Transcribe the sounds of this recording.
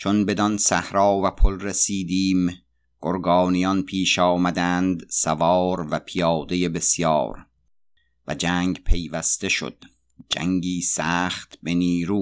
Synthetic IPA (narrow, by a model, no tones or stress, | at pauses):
t͡ʃʰo̞nbe̞d̪ɒnsæ̰hɾɒːvæpʰolresiːd̪iːm | ɡ̥oɾɡɒːnijɒnpʰiːʃɒːmæd̪ænd̪sævɒːɾvæpʰijɒːd̪e̞jebe̞sjɒ̰ːɾ | væ̰d͡ʒæːŋɡpʰe̞jvæst̪e̞ʃo̰d̪̥ | d͡ʒæ̰ŋɡiːsæːχt̪be̞niːɾuː